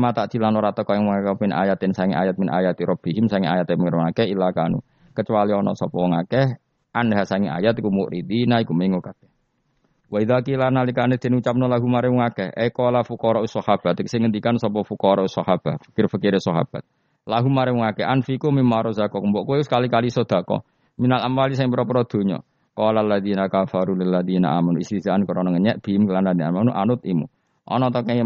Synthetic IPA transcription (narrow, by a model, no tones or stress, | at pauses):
mat̪aʔd̪̥ilanɔɾat̪ɔkɔjaŋmɔŋakamɪnʔa̰jat̪ɪnsaŋiʔa̰jat̪̚mɪnʔa̰jat̪iɾɔb̥iɦɪmsaŋia̰jat̪eməŋərŋakɛilakanṵ | kət͡ʃualiɔnɔ̰sɔpɔwɔŋakɛh | anɦasaŋiʔa̰jat̪ikumuʔɾid̪inaikumeŋokakɛh | waiðakilanalikanɛd̪̥e̤nut͡ʃap̚nɔlaɦumaɾɛwɔŋakɛ̰hʔḛkɔlafukɔɾɔʔusɔhab̥at̪sɪŋənd̪ikansɔpɔfukɔɾɔʔusɔhab̥ahfə̥kɪrfəkɪɾesɔɦa̰b̥at̪̚ | laɦumaɾɛuŋakɛʔanfikumimaɾɔzakɔkəmbɔʔkuwɛskalikalisɔd̪̥a̤kɔ̰ | minalamwalis̬aiŋpɾɔpəɾɔd̪̥o̤ɲɔ̰ | kɔlalːaðinakafaɾulɪlːaðina̰ʔamanuist̪izaʔankɔɾɔnɔŋəɲɛʔb̥imklananiamanuʔanʊt̪̚imṵ | ʔɔ̰nɔt̪ɔkɛ